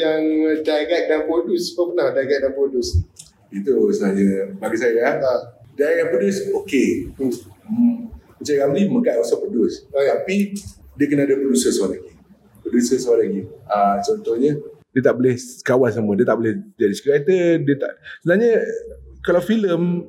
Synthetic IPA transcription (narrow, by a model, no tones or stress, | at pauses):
jaŋdaɡat̪̚daŋpɾoduspəpənadaɡat̪̚daŋpɾodus | it̪usənaɲabaɡisajaaadaɡaʔ̚podʊsokeu | mət͡ʃaɣamliməɡaʔ̪̚ɔsɔpədusaapidiəkənaːdapɾodusəswaʔlaɡi | pɾodusəsəwaʔlaɡiat͡ʃɔnt̪ɔhɲədiət̪aʔbolehkawans̬amuədiət̪aʔbolɪhd͡ʒadiskɾat̪ədiət̪a̰ʔsəənaɲəkalawfiləm